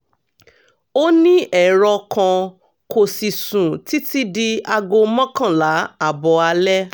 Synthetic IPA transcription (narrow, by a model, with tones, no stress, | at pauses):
o˦nĩ˦ʔɛ˦˨ɾɔ˧kã˧ | ko˨si˨sũ˨ti˦ti˦di˧a˧ɡo˧mɔ̃˦kã˦˨la˨˦a˦˨bɔ˧a˧lɛ˦